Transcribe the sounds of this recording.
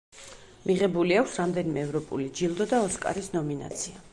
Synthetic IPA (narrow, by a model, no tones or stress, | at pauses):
miʁɛbuliakʰʷsɾamd̪ɛnimɛːvɾɔpʼṵlid͡ʒilˠd̪ɔd̪aɔskʼa̰ɾisnɔmina̰t̪sʰia